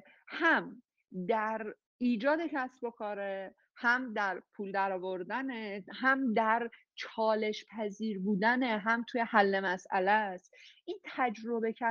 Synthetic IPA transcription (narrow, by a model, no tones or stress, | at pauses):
hæm | d̪æɾ | iːd͡ʒɒːd̪e̞cʰæsbo̞kʰɒːɾe | hæmd̪æɾpʰuːld̪æɾɒːvo̞ɾd̪ænehæmd̪æɾ | t͡ʃʰɒːle̞ʃpʰæziːɾbuːd̪æneɦæmt̪ʰuje̞hælːe̞mæsʔæ̰læst̪ʔint̪ʰæd͡ʒɾo̞be̞cʰæ